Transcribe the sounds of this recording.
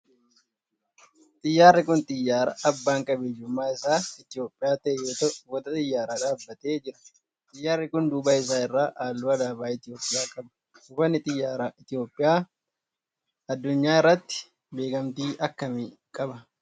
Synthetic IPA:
t̪ʼɪjːaːrːɪkʊnt̪ʼɪjːaːɾɐɐbːaːŋkʼɐbɛd͡ʒʊmːaːɪsaːɪt̪ɪjo̞ːpʼːɪjaːt̪ɐʔɛjoːt̪ɐwɔt̪ɐt̪ʼɪjːaːɾaːd̪aːbːɐt̪eːd͡ʒɪɾɐ̥ | t̪ʼɪjːaːrːɪkʊnd̪uːbaːɪs̬aːɪrːaːʔaːlːʊɐd̪aːbaːɪt̪ɪjo̞ːpʼːɪjaːkʼɐbɐ | ʊfɐnːɪt̪ʼɪjːaːɾaɪt̪ɪjo̞ːpʼːɪjaː | ɐd̪ːʊɲːaːɪrːɐt̪ːɪ̥ | be̞ːkɐmt̪iːʔɐkːɐmi | kʼɐbɐ

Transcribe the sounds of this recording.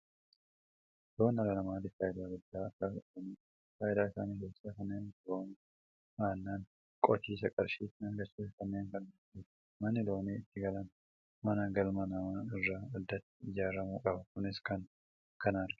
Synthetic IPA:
d̪̥o̞ːnːɐlɐnɐmaːd̪ɪkaːjɪd̪aːɡʊd̪ːaːɐkːaːfɪɐniː | kaːʔɪd̪aːɪsa̰ːniːkeːsaːkɐnːe̞ːntlo̞ːn | maːnːaːn | kʼɔt͡ʃːiːsɐkʼɐɾʃiːt̪ɪnɐŋɡɐɾsiːs̬ɐkɐnːeːŋkɐnːɐ | iːt̪ | mɐnːɪd̪o̞ːniːɪt̪ːɪɡɐlɐn | mɐnɐɡɐlmɐnɐmaːɪrːaːɐd̪ːɐt̪ːɪ̥ɪd͡ʒaːɾɐmuːkʼɐbɐkʊnɪskɐn | kɐnaːɾɪ̥

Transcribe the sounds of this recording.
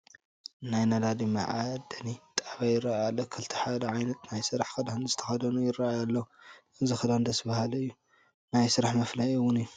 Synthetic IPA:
najnad̪ad̪imaʕad̪ɐnit̪ʼaβajɪrːaajalːɐkʰɨlt̪ʰi̥ħad̪ɐʕajnɐt̪najsɨɾaħkɐd̪anzɨt̪ʰɐ̥xad̪ɐnujɪrajalːɐuʔɨzixɐd̪and̪ɐsbahalɐɨjːu | najsɨɾaħmɐflajɨwːʊnɨjːu

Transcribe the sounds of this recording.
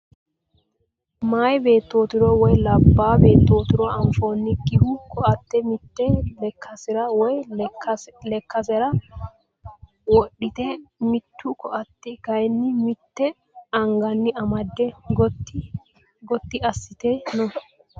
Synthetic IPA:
majbeːt̪ːo̞ːt̪ɪɾɔwɔjlɐbːaːbe̞ːt̪ːo̞ːt̪ɪɾɔɐnfo̞ːnːɪɡɪhʊkʰɔʔɐt̪ːɛmɪt̪ːɛlkʰːɐsɪɾɐwɔj | lɛkːɐsɛɾɐ | wɔɗːɪt̪ɛmɪt̪ʰːʊkɔʔɐt̪ːɪkɐjnːɪmɪt̪ːɛ | ɐŋɡɐnːɪɐmɐd̪ːɛɡtː | ɡɔt̪ːɪɐsːɪt̪enɔ

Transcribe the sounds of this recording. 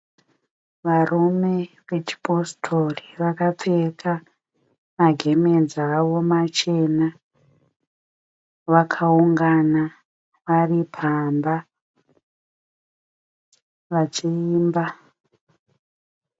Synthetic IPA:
ʋarʔume̞ʋe̞t͡ʃi̥postʰoriʋakap͡fekʰa | maɡʱe̞med͡zawo̞mat͡ʃe̞na | ʋakʰauŋɡana | ʋaripʰamba | ʋat͡ʃiiːmba

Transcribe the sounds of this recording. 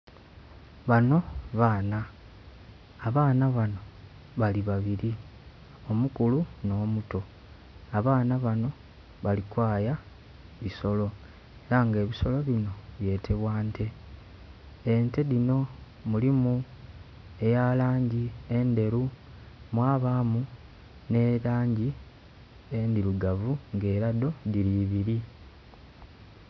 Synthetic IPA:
βano̞βana | βaːnaβano̞ | βaliβaβiɾi | o̞mukuluno̞ːmuto̞ | aβaːnaβano̞ | βalikwaːja | βiso̞lo̞ | eɾaŋɡe̞ːβiso̞lo̞βino̞βje̞ːtʰe̞βwaːntʰe̞ | nte̞ðino̞ | mulimu | e̞jalaːɲɟie̞nde̞ɾu | mwaːβaːmu | ne̞ɾaːɲɟi | endiɾuɡavuŋɡe̞ːɾado̞diɾiβiɾi

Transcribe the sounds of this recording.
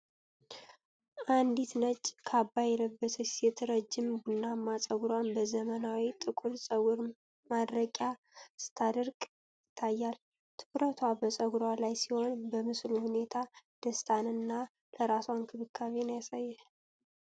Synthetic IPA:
ʔand̪it̪nət͡ʃʼkʰabːajɛləbːəsəjɛt̪ʰəɾəd͡ʒːɪmɡunːamːasʼəɡuɾwanbəzəmənawit̪ʼɨkʼulsʼəɡuɾ | mad̪ɾəkʼja | sɨ̥t̪ʰad̪ɨɾkʼ | jɪt̪ʰːajːal | t̪ʰɨkɾət̪ʰwabəsʼəɡuɾwalajsiho̞nbəmɨsluhune̞t̪ʰad̪̥əst̪ʰʼanɨnːa | ləɾaswankʰɨβɨkʰːaβenjasajːɛ

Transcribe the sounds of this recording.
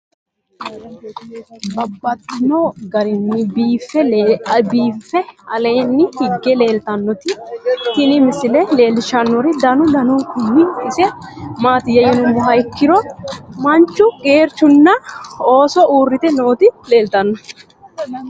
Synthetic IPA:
bɐbːɐt̪ːɪnoːɡɐɾɪnːɪbiːfːɛbiːfːɛɐle̞ːnːɪhɪɡːɛle̞ːlt̪ɐnːɔt̪ɪt̪ɪnɪmɪsɪlɛle̞ːlʃɐnːɔɾɪd̪ɐnʊd̪ɐnukʊnːɪɪsɛmaːt̪ɪjɐjɔnʊmʊɦɐjkːɪɾɔmɐnt͡ʃːʊɡʼe̞ːɾt͡ʃːʊnːɐoːsɔʔuːrːɪt̪ɛno̞ːt̪ɪle̞ːlt̪ɐnːɔ

